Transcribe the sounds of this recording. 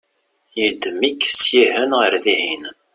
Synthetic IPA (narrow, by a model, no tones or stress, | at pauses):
jəd̪mikːsjihənʁəɾðihin